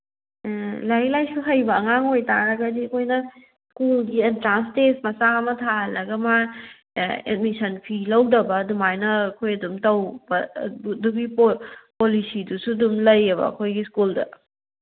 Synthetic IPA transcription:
lɐɾilajsuɦɐjbɐːŋaŋojtaɾɐɡɐdiɐkʰojnɐ | skulɡientɾanstesmɐsaɐmɐtʰaɐlɐɡɐma | ḛd̚misɐnpʰilɐwdɐbɐːdumajnɐkʰojɐdumtɐwbɐduɡippolisidusuɐdumlɐjːɐβɐ̰ɐ̰kʰojɡiskuldɐ̰

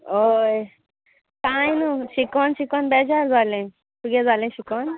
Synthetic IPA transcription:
oj | kajnuʃikɔnʃikɔnbɛd͡ʒaɾd͡zalẽ | suɡed͡zalẽʃikɔn

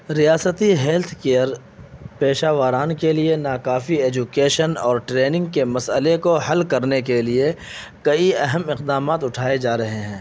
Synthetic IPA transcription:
ɾijaːsət̪iɦɛːlt̪ʰkeːəɾ | peːʃaːʋaːɾaːnkelienaːkaːfieːd͡ʒʊkeːʃənɔːɾʈɾeːnɪ̃ŋɡ̚kemɐsəlekoɦɐlkɐɾnekelie | kɐiɐɦəmɪqd̪aːmaːt̪ʊʈʰaːed͡ʒaːɾɐɦeɦɛ̃ː

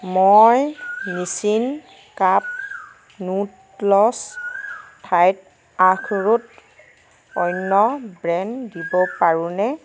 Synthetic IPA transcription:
mɔjnisin | kap̚ | nut | lɔs | tʰajt̚ | ãkʰɹut | ɔjnːɔbɹɛndibɔpaɹũnɛ

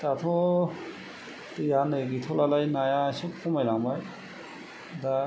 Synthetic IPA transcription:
t̪at̪ʰɔ | tɯjanɯɡit̪ʰɔlalajnajasuk̚pʰɔmajlaŋbaj | da

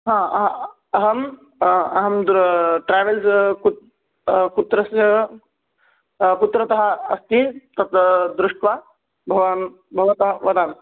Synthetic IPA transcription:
ɦãːɐɦ | ɐɦɐm | ɐɦɐmd̪ɾʈɾeːʋelsku | kut̪ɾɐsɐ | kut̪ɾɐt̪ɐɦɐ̆ɐst̪it̪ɐt̪d̪ɾuʂʈʋaː | bʱɐʋan | bʱɐʋɐt̪ɐɦɐʋɐd̪aːn

